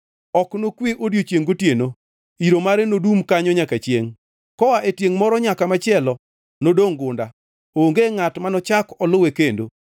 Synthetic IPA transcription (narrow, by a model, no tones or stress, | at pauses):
ɔknokwiʔodjot͡ʃjeŋɡotjeno | iɾomaɾenodumkaɲɔɲakat͡ʃjeŋ | kɔwaʔetjeŋmɔɾɔɲakamat͡ʃɪɛlɔ | nodoŋɡʊnda | oŋɡeŋatmanɔt͡ʃakɔlʊwekendo̰